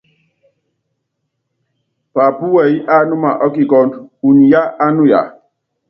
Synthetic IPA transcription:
pa˨pu˦wa˨i˦ʔa˦nu˦ma˨ʔɔ˦ki˨kɔ˦ndu˨ni˨ja˦ʔa˦nu˦ja̰˨

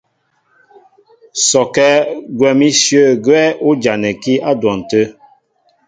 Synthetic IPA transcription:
sɔ˨kɛ˦ɡwɛ˨mi˦sjə˦˨ɡwɛ˦ʔu˦d͡ʒa˨nɛ˨ki˦a˦dwɔ˨n̩˨tə˦

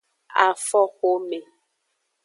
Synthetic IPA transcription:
a˨fɔ˦xo˦me˨

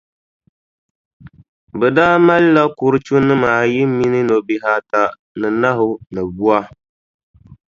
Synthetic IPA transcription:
bɛ˨daː˦ma˦lːa˦kʊ˨ɾɨ˦t͡ʃu˦nɨ˦maː˨jɪ˦mi˦nɨ˦no˨bi˨ɦa˨ta˨ | nɨ˨na˦ɦʊ˦nɨ˨bu˦a˦

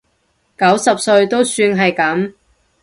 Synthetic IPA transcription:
kɐ˨˥wsɐ˨p̚sɵ˧ɥt̪o˥wsyː˧nɦɐ˨jkɐ˨˥m

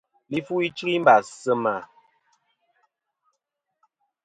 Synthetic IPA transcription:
li˦fu˦i˦t͡ʃi˦ɣi˦m˦ba˨sə˦ma˨

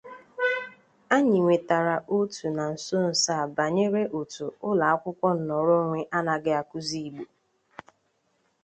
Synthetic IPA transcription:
a˦ɲi˨ŋʷe˨ta˨ɾa˨ʔo˦tu˨na˨n̩˨so˦n̩˨sa˦˨ba˨ɲe˦ɾe˦ʔo˨tu˨ʊ˦la˨a˦kʷʊ˦kʷɔ˦n̩˨nɔ˨ɾo˦ŋʷe˦ʔa˦na˨ɡɪ˦a˨ku˦zi˦˨i˨ɡ͡bo˨

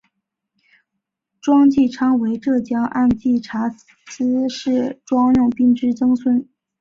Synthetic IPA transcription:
ʈ͡ʂwɑ˥ŋt͡ɕi˥˩ʈ͡ʂʰɑ˥ŋwe˧˥ɪʈ͡ʂɤ˥˩t͡ɕjɑ˥ŋʔa˥˧nt͡ɕi˥˩ʈ͡ʂʰa˧˥ | sɹ̩˥ʂɻ̩˥˩ʈ͡ʂwɑ˥ŋɻʊ˥˧ŋpi˥˧ŋʈ͡ʂɻ̩˥t͡sɤ˥ŋswə˥n

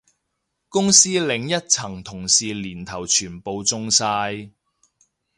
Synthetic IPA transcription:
kʊ˥ŋsiː˥lɪ˨˥ŋjɐ˥t̚t͡sʰɐ˨˩ŋt̪ʰʊ˨˩ŋsiː˨liː˨˩nt̪ʰɐ˨˩wt͡ʃʰyː˨˩npo˨wt͡sʊ˧ŋsaː˧j

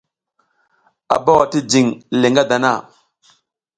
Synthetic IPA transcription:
a̰˨ba˦wa˨ti˦d͡ʒi˨ŋle˨ŋɡa˦da˨na̰˦˨

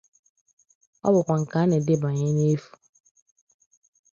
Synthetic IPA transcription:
ɔ̰˦bʊ˨kʷa˨ŋ̩˨ka˨˦ne˨dɪ˦ba˨ɲe˦ne˦fu̥˨

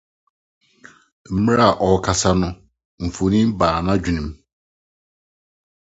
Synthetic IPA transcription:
m̩˦m˦ɾa˦˨ʔɔ˨kʰa˨sa˦nʊ̃˦ | m̩˨fo˨nĩ˦m˦baː˨nã˦d͡ʑᶣi˨nũ˨m

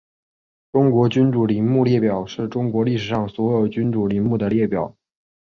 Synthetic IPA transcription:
ʈ͡ʂʊ˥ŋkwɔ˧˥t͡ɕy˥nʈ͡ʂu˨˩li˧˥nmu˥˧ljɛ˥˩pjɑ˨˩˦ʊʂɻ̩˥˩ʈ͡ʂʊ˥ŋkwɔ˧˥li˥˩ʂɻ̩˨˩ʂɑ˥˩ŋswɔ˧˥jo˨˩ʊt͡ɕy˥nʈ͡ʂu˨˩li˧˥nmu˥˩d̪ə˩ljɛ˥˩pjɑ˨˩˦

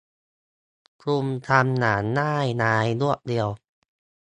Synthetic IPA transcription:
kʰɾu˧mt̪ʰa˧mnaː˩˦nːaː˥˩jnaː˧jnu˥˩ək̚di˧əw

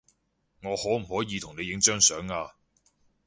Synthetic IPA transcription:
ŋɔː˨˧hɔː˨˥m̩˨˩hɔː˨˥jiː˨˧t̪ʰʊ˨˩ŋne˨˧jɪ˨˥ŋt͡ʃœː˥ŋsœː˨˥ŋaː˧

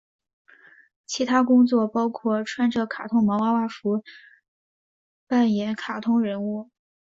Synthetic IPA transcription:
t͡ɕʰi˧˥t̪ʰa˥kʊ˥ŋt͡swɔ˥˩pɑ˥ʊkʰwɔ˥˩ʈ͡ʂʰwa˥nʈ͡ʂɤ˥˩kʰa˨˩t̪ʰʊ˥ŋmɑ˧˥wa˥wa˥˩fu˧˥ | pa˥˩njɛ˧˥nkʰa˨˩t̪ʰʊ˥ŋɻə˧˥nu˥˩

